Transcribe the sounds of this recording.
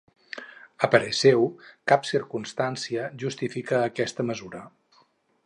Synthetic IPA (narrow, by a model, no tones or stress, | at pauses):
əpəɾəsɛwkapsiɾkunst̪ansiəʒust̪ifikəːkɛst̪əməzuɾə